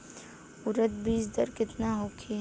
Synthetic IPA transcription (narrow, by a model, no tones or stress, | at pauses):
ʊɾət̪̚biːsd̪əɾkɪt̪naɦoːkʰiɦ